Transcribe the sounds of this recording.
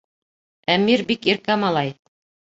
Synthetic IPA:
æmiɾbikiɾkæmɑlˠɑj

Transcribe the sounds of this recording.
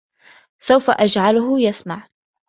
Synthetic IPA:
sawfaʔad͡ʒʕalʊhʊjasmaʕ

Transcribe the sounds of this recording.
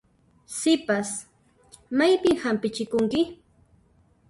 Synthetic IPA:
sɪpas | majpɪŋhampɪt͡ʃɪkʊŋkɪ

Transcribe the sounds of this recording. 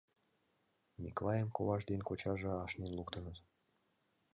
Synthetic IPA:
mʲḭklˠɑjəmkoβɑʒd̪enkot͡ɕɑʒĕɑʃnenlukt̪ə̆nət̪

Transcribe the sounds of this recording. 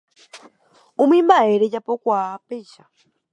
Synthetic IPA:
umimbaɛɾɛt͡ʃapɔkwapɛʃa

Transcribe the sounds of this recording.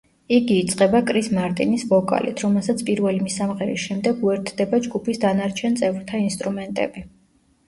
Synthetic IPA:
iɡiːt̪sʼqʼɛbakʼɾismaɾt̪ʼinisvɔkʼa̰lḭt̪ʰɾɔmɛlˠsat̪sʰpʼiɾvɛlimisamʁɛɾḭsʃɛmd̪ɛɡuɛɾt̪ʰd̪ɛbad͡ʒɡupʰisd̪anaɾt͡ʃʰɛnt̪sʼɛvɾt̪ʰainst̪ʼɾumɛnt̪ʼɛ̰bi

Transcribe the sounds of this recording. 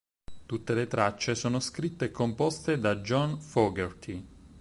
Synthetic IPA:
t̪ut̪ːelet̪ɾat͡ʃːesoːnoskɾit̪ːeɛkːompɔst̪ed̪ad͡ʒɔnfɔɡert̪ʰi

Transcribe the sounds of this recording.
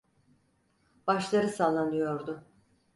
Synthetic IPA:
b̥aʃlˠaɾɯsaːlˠanɯjo̞ɾd̪ʊ

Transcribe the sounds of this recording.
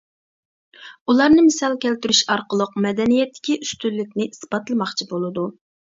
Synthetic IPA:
ulˠɑɾnɨmɪsɑlˠkʲɛlt̪yɾyʃɑɾqəlˠəqmɛd̪ɛnijɛt̪ʰːɪ̥kʲiʔyst̪ylːɪk̚ʲnɪʔisbɑt̪lˠɨmɑχt͡ʃʰibolˠɨd̪u

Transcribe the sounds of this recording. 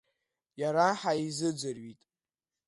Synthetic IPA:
jaɾaħaizɨd͡zʷarɥitʼ

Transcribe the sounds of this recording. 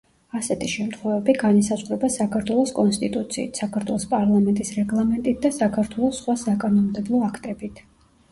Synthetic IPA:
asɛt̪ʰiʃɛmt̪ʰχwɛvɛbiɡanisazʁvɾɛbasakʰaɾt̪ʰwɛlˠɔskʼɔnst̪ʼit̪ʼut̪sʰḭːt̪ʰsakʰaɾt̪ʰwɛlˠɔspʼaɾlˠamɛnt̪ʼisɾɛɡlˠamɛnt̪ʼit̪̚ʰd̪asakʰaɾt̪ʰwɛlˠɔsːχwasakʼanɔmd̪ɛblˠɔakʰt̪ʼɛbit̪ʰ

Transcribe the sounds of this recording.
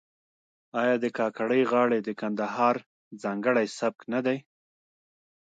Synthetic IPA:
ɑjɑd̪əkɑkaɽəjɣɑɽed̪əkand̪aɦɑɾ | zɑŋɡəɽajsab̚knad̪aj

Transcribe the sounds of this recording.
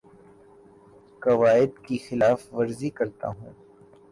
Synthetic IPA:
kɐʋaːɪd̪kixɪlaːfʋɐɾzikɐɾt̪a̰ɦũː

